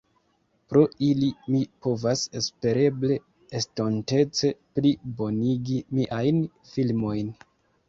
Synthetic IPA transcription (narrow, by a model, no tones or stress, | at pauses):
pɾo̞ilimipo̞vasespe̞ɾe̞ble̞ː | stonte̞t͡se̞pɾibo̞niɡimiʔajn | filmo̞jn